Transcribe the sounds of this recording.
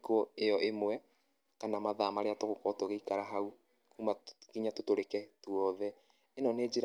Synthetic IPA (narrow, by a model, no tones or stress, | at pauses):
kɔejɔʔemwɛ | kanamaðamaɾeatoɣokɔtoɣeikaɾaɦau | kumakiɲatotoɾekɛtwɔðɛ | enɔneːd͡ʒeɾ